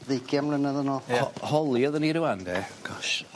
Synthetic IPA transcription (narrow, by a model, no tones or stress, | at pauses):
ðejkʰjamlənaðənɔhɔhɔlˠiɔðəniɾɪwandɛɡ̥ɔʃ